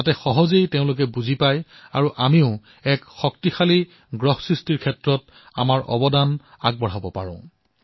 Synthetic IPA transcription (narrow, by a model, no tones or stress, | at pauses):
atɛxɔɦɔzejteʊ̃lʊk̬ɛbuzipaj | aɹuʔamiʊ | ɛkxɔk̚tixali | ɡɹɔhsɹistiɹkʰɛtɹɔt | a̰maɹʔɔ̰bɔdan | aɡ̚bɔɹ̤abɔpaɹɔ̰̃